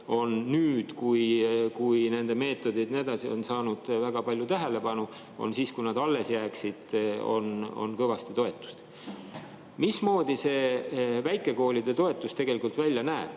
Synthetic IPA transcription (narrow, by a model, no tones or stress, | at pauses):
o̞nːyːd̪̥kujkujne̞nd̪̥e̞me̞ːt̪ːˑo̞d̪id̪̥ned̪ɑsio̞nsɑːnud̪̥væɡ̥ɑpɑlʲjut̪æɦe̞le̞pɑnu | o̞̰nsiːskujnɑd̪ɑlːe̞sjæːksid̪̥o̞̰no̞̰nkɤvɑst̪it̪o̞et̪ːˑu̥st̪ | mismo̞ːd̪̥ise̞væjkːˑe̞ko̞ːlʲid̪̥e̞t̪o̞e̞t̪ːˑust̪e̞ɡ̥e̞likult̪vælʲjɑnæːb̥